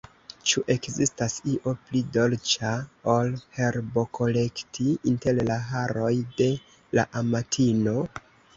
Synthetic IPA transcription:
t͡ʃuʔe̞kzistasiʔo̞plido̞lt͡ʃaolhe̞ɾbo̞kʰo̞le̞ktʰiinte̞llaɦaɾo̞jde̞ | la̰ʔamatʰino̞

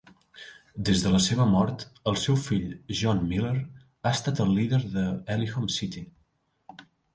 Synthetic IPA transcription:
d̪ezðələseβ̞əmɔɾt̪əlˠsɛwfiʎʒɔnmileɾ | ast̪at̪əlˠːiðəɾðəɛlixomsit̪i

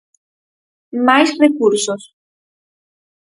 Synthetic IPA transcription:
majsɾekuɾsos

